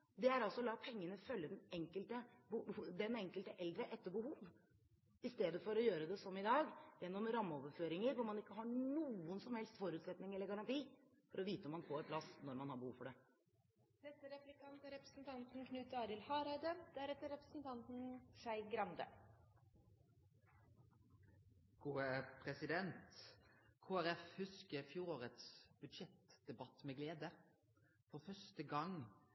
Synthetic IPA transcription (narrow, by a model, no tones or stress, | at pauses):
d̪ɛæɾɑlsɔlɑːpʰɛŋːənəfœlːəd̪ɛnɛŋkəlt̪əbəd̪ɛnɛŋkəlt̪əʔɛld̪ɾəʔɛt̪ːəɾbəhuːʋ | ɪst̪eːd̪əfɔɾɔjøːɾəd̪ɛsɔmːɪd̪ɑːɡjɛnːɔmɾɑmːəoːʋəɾføːɾɪŋəɾʋʊɾmɑnɪkːəɦɑɳuːənsɔmhɛlst̪fɔɾʉːt̪sɛt̪nɪŋɛlːəɾɡɑɾɑnt̪ʰiːfɔɾɔʋiːt̪əɔmːɑnfoːɾpʰlɑsnɔɾmɑnhɑɾbəhuːʋfɔɖɛ | nɛt̪ːəɾɛplɪkʰɑnt̪əɾɛpɾəsn̩t̪ʰɑnt̪n̩kʰnʉːt̪ɑːɾɪlhɑːɾæɪd̪əd̪̥ææɾɛt̪ːəɾɛpɾəsn̩t̪ʰɑnt̪n̩ʃæɪɡɾɑnd̪ə̰ | ɡ̥uːəpʰɾɛsɪd̪ɛnt̪kʰoːæɾɛfhʉskəɾfjuːɾoːɾət̪sb̥ʉd̪ʂɛt̪d̪̥ɛbɑt̪ːmɛɡleːd̪ə | fɔɾfœʂtəɡɑŋ